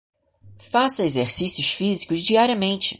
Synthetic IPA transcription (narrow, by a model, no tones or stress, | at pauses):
fasɐezeɾsisjʊsfizikʊzd͡ʒiaɾiɐmẽnt͡ʃɪ̥